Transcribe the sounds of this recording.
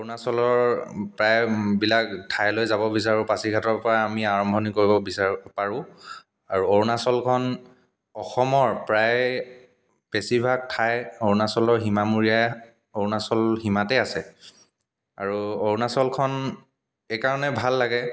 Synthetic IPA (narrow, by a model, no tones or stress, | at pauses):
onasɔlɔɹpɹajbilaktʰajlojzabɔbis̬aɹũpasikʰatɔɹpɔɹaamiaɹɔmbʱɔnikoɹibɔbisapaɹʊ̃ | aɹuoɹnasɔlkʰɔn | ɔxɔmɔɹpɹaj | pesibʱak̚tʰajoɹnasɔlɔɹɦimamuɹija | oɹnasɔlɦimatɛasɛ | a̰ɹuoɹnasɔlkʰɔn | ekaɹɔnɛbʱalːaɡɛ